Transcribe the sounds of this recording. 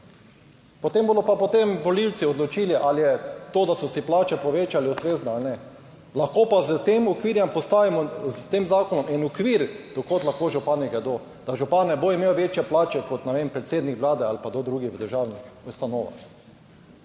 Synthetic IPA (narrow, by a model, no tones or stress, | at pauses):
pot̪emboːd̪ɔpapot̪emʋoliwt̪siɔd̪lɔt͡ʃiːliʔaljɛt̪oːd̪asɔsiplaːt͡ʃɛpɔʋeːt͡ʃaliusɾeːznɔalnɛ | laxkoːpazət̪emɔkʋiːɾjɛmpɔst̪aʋimɔzt̪eːmzaːkonɔmɛnɔkʋiɾd̪̥okot̪laxkoʒupaniɡɛd̪o | d̪̥aʒupanːɛboimeːwʋeːt͡ʃjɛplaːt͡ʃɛkot̪nɛʋempɾɛt̪seːd̪nikʋlaːd̪ɛalpad̪od̪ɾuɡiʋəd̪əɾʒaːwniust̪anoːʋa̰